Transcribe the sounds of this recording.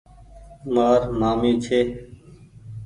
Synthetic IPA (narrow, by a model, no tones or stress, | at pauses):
maːɾmaːmĩːt͡ʃʰeː